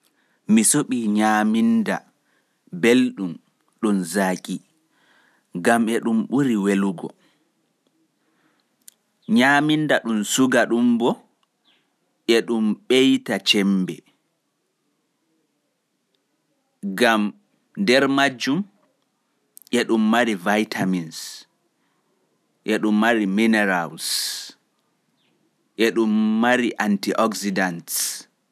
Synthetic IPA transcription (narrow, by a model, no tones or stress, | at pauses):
misoɓiɲaːminda̰ | belɗum | ɗunzaːkʼi | ɡamɛɗumɓuɾiweluɡɔ̰ | ɲaːmindaɗunsuɡaɗumbɔ | ʔɛɗumɓejtat͡ʃɛmbɛ̰ | ɡam | ndɛɾmad͡ʒːum | ʔɛɗumːaɾivajtʰamins | ʔɛɗumːaɾiminɛɾals | ʔɛɗumːaɾiʔantiʔɔksidants